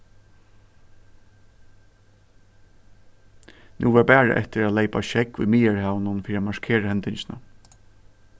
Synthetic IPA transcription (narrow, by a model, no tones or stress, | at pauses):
nʔṵːʋɛːpæːɹa̰ʔɛ̰ht̪ɪɾæːt̪leɪpaʃɛkʊ̰jmiːəɹhaːʋnʊnfiːɾiamaʂkʰeːɾahɛnt̪ɪnt͡ʃɪna̰